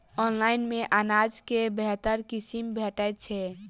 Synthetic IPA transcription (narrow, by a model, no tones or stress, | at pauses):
ɔnlainmeʔanad͡ʒkebɛɦt̪əɾkisimbʱeʈət̪̚t͡ʃʰɛ